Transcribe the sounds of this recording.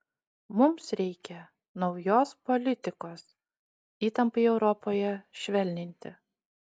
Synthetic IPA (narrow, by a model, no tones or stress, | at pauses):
mʊmsɾʲɛɪkʲɛ | nɒʊjoːspɔlʲɪt̪ʲɪkoːs | iːt̪ɐmpɐɪɛʊɾɔpoːjɛʃʲʋʲɛlʲnʲɪnʲt̪ʲɪ̰